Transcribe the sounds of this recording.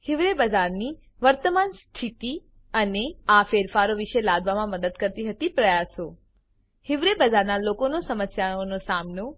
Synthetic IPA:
hɪʋɾebəd͡ʒaɾni | ʋəɾt̪əmanst̪ʰit̪i | əneafeɾfaɾoʋɪʃəlad̪ʱʋamãməd̪əd̪kəɾt̪iɦət̪ipɾəjaso | hɪʋɾebəd͡ʒaɾnalokonosəməsjaonosamno

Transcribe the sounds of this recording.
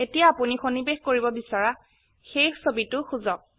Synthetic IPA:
etijaːpunixonibexkoɹibɔbisaɹa | xejxsobitʊxuzɔk̚

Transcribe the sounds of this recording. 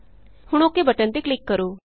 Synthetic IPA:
hʊɽ̃oːkːeːbəʈə̃nt̪eːklɪkːəɾoː

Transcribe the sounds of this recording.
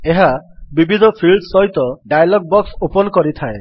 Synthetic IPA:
eɦabibʱid̪ʱɔpʰilɖsɔɦjt̪ɔɖajlɔɡ̚bɔksupɔnkɔɾit̪ʰae

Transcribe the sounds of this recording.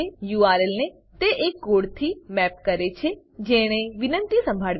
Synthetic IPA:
ejuaːɾelne | t̪eʔekːoːɽt̪ʰimɛp̚kəɾet͡ʃʰe | d͡ʒeɽ̃eʋɪnə̃nt̪isə̃mbʱaɭʋ

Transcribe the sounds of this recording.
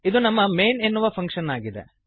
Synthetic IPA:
id̪unɐmːɐmeːnenːuʋɐpʰɐŋkʂɐnaːɡid̪ḛ

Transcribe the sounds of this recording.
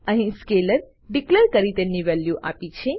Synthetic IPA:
əɦĩskeləɾ | ɖikləɾkəɾit̪emniʋɛljuʔa̰pit͡ʃʰe

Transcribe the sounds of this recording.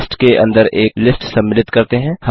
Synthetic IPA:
sʈkeʔɐ̰̃nd̪əɾeːklɪsʈsɐ̃mːɪlɪt̪kɐɾt̪eɦɛ̃ːhɐ

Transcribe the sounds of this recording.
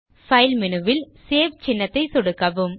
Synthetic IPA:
fɐɪlmɪnɯʋɪlseːʋt͡ʃɪnːɐt̪ːɐɪsɔɽɯkːɐʋɯm

